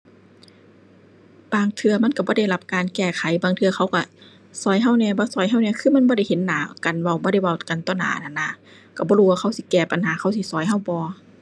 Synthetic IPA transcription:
baː˧ŋt̪ʰɯ˧ɐma˧˥˨nka˧˩bɔː˧˦da˧˩˨jla˧˩p̚kaː˨nkɛː˧˩kʰa˨˦jbaː˨ŋt̪ʰɯ˧ɐxʰa˧˩wka˧˩ | sɔː˨˦jɦa˧˥˨wnɛː˧˨bɔː˧˦sɔː˨˦jɦa˧˥˨wnɛː˧˨kʰɯː˧˥˨ma˧˥˨bɔː˧˦ɾa˧˩˨jhe˨˦nːaː˨˦ka˨nwa˧˩˨wbɔː˧ɾa˧˩˨jwa˧˩wka˨nt̪ɔː˧˩˨na̰ː˨˦˨na˧˨nːa˧˩ | ka˧˩bɔː˧˦uː˧˨waː˧kʰa˧˩˨wsi˧˦kɛː˧˩pa˨nhaː˨˦kʰa˧˨wsi˧˦sɔː˨˦jɦa˧˩˨wbɔː˧˦

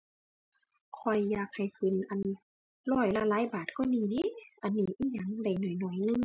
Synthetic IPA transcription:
kʰɔ˧˩jːaː˧˩k̚ha˨˩jkʰɯ˧˩˨nʔa˨n˧ | lɔː˧˩jla˧˩laː˧˥˨jbaː˨˩t̪̚kɔː˧˩niː˧˩ni˧˨ʔa˨nːiː˧˩ʔiː˧ɲa˧˩˦ŋda˧˩jnɔː˨˩jnɔ˧˩jnɯ˧˨ŋ

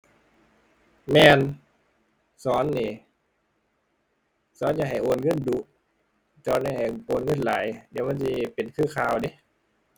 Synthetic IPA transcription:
mɛː˧n | sɔː˨˦nːiː˧˩ | sɔː˨˦nja˧˩ɦa˨˩jʔoː˨˧˩nŋɤ˧˥˨ndu˧˦ʔ | t͡ɕɔː˧na˧˩ha˨˩joː˧˨nŋɤ˧˥˨nlaː˨˦jdi˨˦wma˧˥˨nsi˧˦pe˨nkʰɯː˧˥˨kʰaː˧˨wde˧˦

